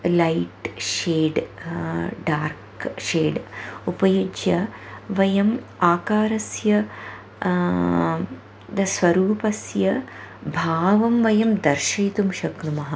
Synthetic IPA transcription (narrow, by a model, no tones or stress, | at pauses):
lɐjʈʃeːɖ | ɖaːɾkʂeːɖupɐjud͡ʒjɐʋɐjɐmaːkaːɾɐsjɐ | d̪ɐsʋɐɾuːpɐsjɐbʱaːʋɐmʋɐjɐmd̪ɐɾʃɐjt̪umʃɐkɾumɐɦɐ